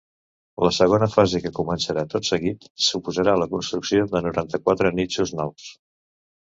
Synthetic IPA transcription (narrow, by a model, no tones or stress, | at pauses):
ləsəɣ̞onəfazekəkumənsəɾat̪ot̪səɣit̪supuzəɾaləkunst̪ɾuksiod̪ənuɾant̪əkwat̪ɾənit͡ʃuznɔws